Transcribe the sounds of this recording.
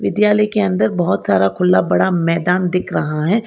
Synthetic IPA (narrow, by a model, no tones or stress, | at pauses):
ʋɪd̪jaːləikeɐ̃nd̪əɾbɐɦʊt̪saːɾakʰʊlːabɐɽamɛːd̪aːnd̪ɪkʰɾɐɦaɦɛː